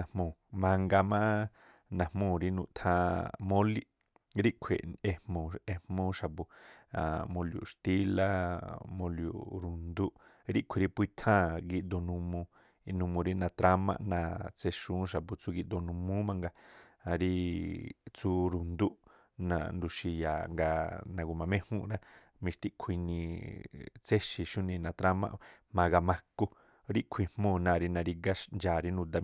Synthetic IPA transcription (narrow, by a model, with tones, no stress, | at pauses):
ã˨hmõ˨mã˧ŋɡa˧mã˦ | nã˨mõ˧˨ɾi˧nṵ̃˧ʔt̪ʰã˧mõ˦li˦ | ɾi˦ʔkʷʰḛ˨e˧mmõ˨e˧mmõ˦ʃa˨bu˧˨a̰˨mõ˧ljṵ˨ʂt̪i˦la˧mõ˧ljṵ˨ɾu˨nd̪u˦ʔ | ɾi˦ʔkʷʰe˨ɾi˧pu˧i˦t̪ʰãː˦˨ɡi˧ʔd̪o˧˨nũ˧mõ˧ | nũ˧mõ˧ɾi˦nã˧t̪ɾa˧˦mã̰˧ʔnã˧t͡se˧ʃũː˦ʃa˨pu˧t͡su˦˧ɡi˧ʔd̪o˧nũ˧mũ˦mã˧ŋɡa˧ɾi˧ | t͡su˦ɾu˨nd̪u˦ʔ | nã̰˧nd̪u˧ʃi˧ja̰˨ŋɡa˧nã˧ɡu˧mã˧mẽ˦hũ˦ʔɾã˦ | mĩ˧ʃt̪i˦ʔkʰi˧nĩ˧ | t͡se˦ʃi˧ʃũ˦nĩ˧nã˧t̪ɾa˦mã̰˦˧ | mã˧ɡa˧mã˧ko˧ | ɾi˦ʔkʷʰi˧hmõː˦˧˨nã˧˨˧ɾi˧nã˧ɾi˧ɡa˦ʃnd͡ʒaː˨ɾi˧nũ˧d̪a˧